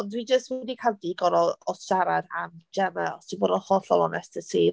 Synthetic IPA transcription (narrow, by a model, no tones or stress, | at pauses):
ɔndwid͡ʒəstwinikʰalˠdiɡɔɾɔɔsʃaɾada̰md͡ʒɛmɛlˠsd̥iboːdɔnχɔːɬɔlˠɔ̰nɛstəsiː